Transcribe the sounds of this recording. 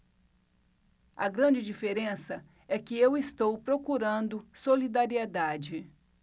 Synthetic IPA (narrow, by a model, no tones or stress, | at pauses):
ɐɡɾɐ̃d͡ʒɪd͡ʒifeɾẽsɐ | ɛkɪewɪst̪owpɾokuɾɐ̃nd̪ʊsolid̪aɾied̪ad͡ʒɪ